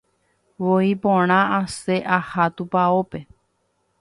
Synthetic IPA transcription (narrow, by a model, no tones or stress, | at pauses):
woipõɽ̃ãase̞ʔahat̪upaope̞